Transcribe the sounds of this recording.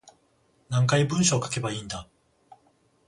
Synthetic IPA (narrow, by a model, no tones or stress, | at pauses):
nãŋkaibɯ̟̃ɰ̃ɕoːkḁke̞baiːnd̪a